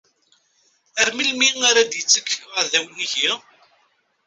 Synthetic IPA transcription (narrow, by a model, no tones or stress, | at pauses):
əɾmilmiŋaɾad̪jət͡sːəkːʁəðæwniʝi